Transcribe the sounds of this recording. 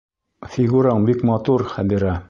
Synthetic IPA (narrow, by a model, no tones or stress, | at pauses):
fiɡuɾɑɴbikmɑt̪uɾχæd̪iɾɑ